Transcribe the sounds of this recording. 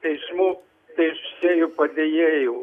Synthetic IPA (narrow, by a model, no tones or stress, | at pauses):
t̪ɐɪʒmuː | t̪ɐɪʃʊ̥sʲeːjʊpɐd̪ʲejeːjo